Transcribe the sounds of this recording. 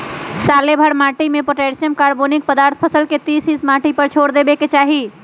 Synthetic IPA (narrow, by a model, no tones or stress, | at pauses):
salebʱəɽmaʈimepəʈeɾsijəmkaɾbonik̚pəd̪aɾt̪ʰpʰəsəlket̪isĩsmaʈipəɾt͡ʃʰoɽd̪ebeket͡ʃaɦi